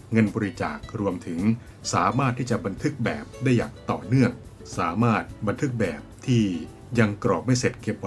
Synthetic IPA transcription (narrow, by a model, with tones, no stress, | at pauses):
ŋɤ˧nbɔː˧ɾi˦˧t͡ɕa̰ː˨˩k̚ɾu˧əmt̪ʰɯ˩˦ŋ | saː˩˦maː˥˩t̪ʰːiː˥˩t͡ɕa˨˩ba˧nt̪ʰɯ˦˥k̚bɛː˨˩p̚daː˥˩jːa̰ː˨˩ŋt̪ɔː˨˩nɯ˥˩əŋ | saː˩˦maː˥˩t̪̚ba˧nt̪ʰɯ˦˥k̚bɛː˨˩p̚t̪ʰiː˥˩ | ja˧ŋkɾɔː˨˩k̚ma˥˩jse˨˩t̪̚ke˨˧˩p̚